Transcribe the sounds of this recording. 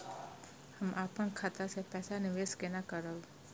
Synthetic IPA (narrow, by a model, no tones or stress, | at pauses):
həmʔaːpənkʰaːt̪asepɛːsanɪʋeːskenakəɾəw